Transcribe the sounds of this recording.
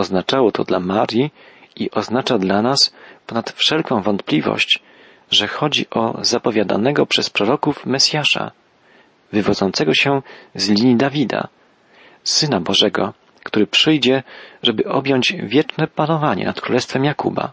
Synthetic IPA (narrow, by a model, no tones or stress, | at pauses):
ɔznat͡ʂawɔt̪ʰɔd̪lamaɾʲjiiʔɔznat͡ʂad̪lanaspɔnat̪fʂɛlkɔ̃w̃vɔnt̪̚plʲivɔ̰ɕt͡ɕ | ʐɛxɔd͡ʑḭʔɔ̰zapɔvʲjad̪a̰nɛɡɔpʂɛspɾɔɾɔkufmɛsʲjaʂa̰ | vɘvɔd̪zɔnt̪sɛɡɔɕɛzlʲiɲid̪avʲid̪a̰ | sɘnabɔʐɛɡɔ | kt̪uɾɘpʂɘjd͡ʑɛʐɛbɘʔɔbʲjɔɲd͡ʑvʲjɛt͡ʂnɛpanɔvaɲɛ̰nat̪kɾulɛst̪fɛmjakuba̰